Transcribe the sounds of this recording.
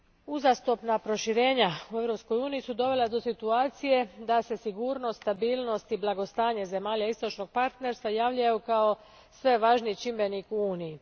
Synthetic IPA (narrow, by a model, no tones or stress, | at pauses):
uzast̪opnapɾo̞ʃiɾe̞ːɲaue̞ʋɾo̞psko̞juːnijisud̪o̞ʋe̞lad̪o̞sit̪uaːt̪sije̞d̪ase̞siɡuːɾno̞st̪t̪abiːlno̞st̪iblˠaɡo̞st̪aːɲeze̞maːʎaist̪o̞t͡ʃno̞ɡ̥̚paɾt̪ne̞ɾst̪ʋajaːʋʎajukao̞ | sʋe̞ʋaːʒnit͡ʃimbe̞nikuuːniji